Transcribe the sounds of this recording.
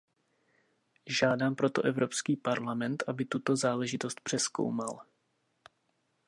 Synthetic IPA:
ʒaːdaːmpɾo̞t̪o̞ʔɛvɾo̞pskiːpaɾlamɛnt̪ʔabɪt̪ut̪o̞zaːlɛʒɪt̪o̞st̪̚pr̝̥ɛsko̰wmal

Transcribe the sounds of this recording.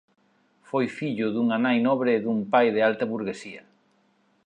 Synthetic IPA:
fojfiʎʊðuŋanajnɔβɾeːðumpajðɪalt̪ɐβuɾɣesiɐ

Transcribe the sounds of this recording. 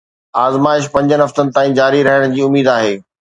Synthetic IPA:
aːzmaːɪʃ̬pɐ̃ɲd͡ʑənɪɦɐft̪ənɪ̆t̪aːĩd͡ʑaːɾiɾɐɦəɽ̃d͡ʑiːʊmiːd̪aːɦeː

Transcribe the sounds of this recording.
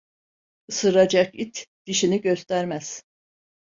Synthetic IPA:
ɯsɯɾad͡ʒakit̪ʰd̪̥iʃiniɟøst̪æɾmæz̥

